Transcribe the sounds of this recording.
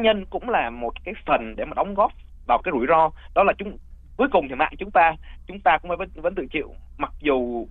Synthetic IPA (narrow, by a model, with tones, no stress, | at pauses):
ɲə˧nkʊ̰˧˥ŋ͡mlaː˨˩mo˨˩t̚kaː˨˦jfə˨˩nɗe˧˩maː˨˩ɗa˨˦wŋ͡mɣɔ˦˥p̚ | vaː˨˩wkaː˨˦jzu˧˩əjzɔ˧ɗɔ˨˦laː˨˩t͡ɕʊ˨˦ŋ͡m | ku˨˦jkʊ˨˩ŋ͡mt̪ʰi˨˩ma̰ː˧˨ŋt͡ɕʊ˨˦ŋ͡mt̪aː˧t͡ɕʊ˨˦ŋ͡mt̪aː˧kʊ˧ŋ͡mfaː˧˩və˦və̰˨˦nt̪ɨ̰˧˨t͡ɕḭ˧˨əw | ma˨˩k̚zu˨˩